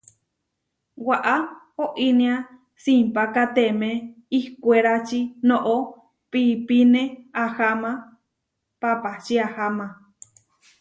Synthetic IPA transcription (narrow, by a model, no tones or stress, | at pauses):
waʔa | oʔinĩa | simpakat̪eme | ihkʷeɾat͡ʃinõʔo | pipinẽahamã | papat͡ʃiahamã